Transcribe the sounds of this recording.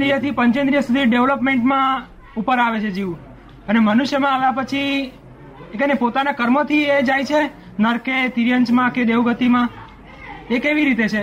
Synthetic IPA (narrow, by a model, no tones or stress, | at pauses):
ɾijət̪ʰipəɲt͡ʃə̃nd̪ɾijəsud̪ʱiɖeʋləpmeɳʈmã | upəɾaʋet͡ʃʰed͡ʒiũ | ənemənuʃjəmãːʋjãpət͡ʃʰi | ekənepot̪anakəɾmot̪ʰied͡ʒajt͡ʃʰe | nəɾket̪iɾjəɲt͡ʃmãked̪eʋɡət̪imã | ekeʋiɾit̪et͡ʃʰe